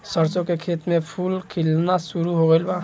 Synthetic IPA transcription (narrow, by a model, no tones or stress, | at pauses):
səɾt͡sɔkekʰet̪mepʰulkʰilnasuɾuɦɔʁɛlba